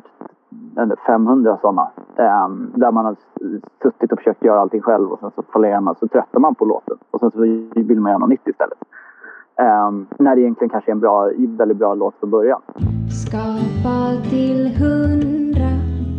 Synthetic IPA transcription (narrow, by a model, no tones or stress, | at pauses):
k̪ | ɛnd̪əfɛmːhɵnd̪ɾasɔnːa̰ | d̪æɾmanhad̪əsɵt̪ːɪt̪ɔfœ̥ʂøːkt̪jœːɾaalt̪ɪŋɧɛlvɔ̰sɛnsɔfʰalːemasɔt̪ʰɾɛt̪ːamanpʰɔlo̰ːt̪ʰənɔsɛnsɔvɪlːəmanjːɳna̰mɪt̪ːɪst̪ɛ̰lːət̪ | næɖɛɪjɛnt̪lɪɡənkʰanʂəɛɾɛnbɾɑːvɛldɪt̪̚bɾɑːloːt̪fɾɔnbœɾja̰nskɑːpat̪ʰɪlhɵnnd̪ɾa